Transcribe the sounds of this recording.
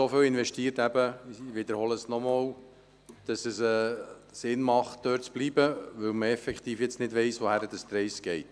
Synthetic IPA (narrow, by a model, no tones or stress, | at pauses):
sofɪlɪnʋɛʃtiːətæbəʋɪd̪əɾhɔləsnɔmoːw | d̥ɑsəsɛː | sɪnmɑχt̚d̥øːɾtt͡sb̥liːbəʋɵwməɛfɛkχt̪iːfjɛt͡snɪdʋɛɪsʋohæɾədəst̪ɾɛjsɡ̥ɛɪt